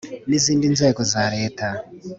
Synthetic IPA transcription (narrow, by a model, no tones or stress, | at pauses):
nizindinzɛkɔzaɾeːtʰa